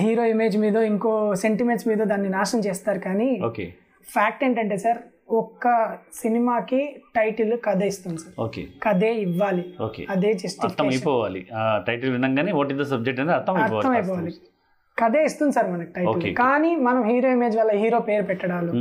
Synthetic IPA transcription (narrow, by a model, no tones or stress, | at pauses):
ɦiːɾo̞ːimeːd͡ʒmiːd̪ɐiŋko̞ːse̞ɳʈimeʈsmiːd̪ɐd̪aːnːinaːʃɐmt͡ʃeːst̪aːɾukaːnioːkḛ | pʰaːk̚ʈeːɳʈɐɳʈeːsɐɾ | ɔkːɐsinimaːkiʈɐjʈɐlukɐd̪eːist̪und̪isɐɾoːkḛkɐd̪eːiʋːaːlio̰ːkḛɐd̪e̞ːd͡ʒɐsʈikt̪ːɐeːmɐjpɔːʋaːliʈɐjʈɐlʋinɐŋɡaːneʋoːʈ̬id̪ɐsɐb̚d͡ʒek̚ʈɐnd̪iɐɾt̪ʰːɐmɐjɐɾpɔːaɐmɐjpɔːʋaːli | kɐd̪e̞ːist̪und̪isɐɾmɐnɐki̥ʈɐjoːlkḛkaːnimɐnɐmɦiːɾo̞ːime̞ːd͡ʒʋɐlːɐɦiːɾoːpe̞ːɾupɛʈːɐɽaːlu